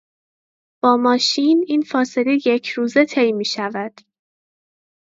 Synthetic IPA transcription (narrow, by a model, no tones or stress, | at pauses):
b̥ɒːmɒːʃiːniːnfɒːse̞le̞je̞cʰɾuːze̞t̪ʰe̞jmiːʃævæd̪̥